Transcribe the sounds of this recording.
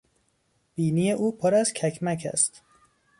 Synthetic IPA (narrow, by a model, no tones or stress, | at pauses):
b̥iːnije̞ʔuːpʰoɾæzcʲʰækʰmæcʰæ̰st̪